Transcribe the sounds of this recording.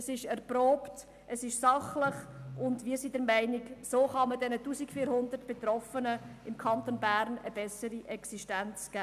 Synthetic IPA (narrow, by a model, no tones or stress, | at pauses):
əsɪʃɛɾproːpt | ʔəsɪʃsɑχlɪχʊndʋiːəsidɛɾmæɪnɪksoːχɑmədɛnətuːsikfiːɾhʊnd̪əɾtb̥etɾɔfənəɪmkʰɑnt̪onbæɾnəb̥ɛsəɾiʔɛksiʃtænt͡sɡ̥æː